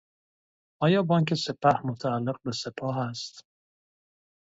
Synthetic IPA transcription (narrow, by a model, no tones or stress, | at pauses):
ʔɒːjɒːbɒːŋcʰe̞se̞pʰæhmot̪ʰæːlːe̞ɣ̚bese̞pʰɒːɦæst̪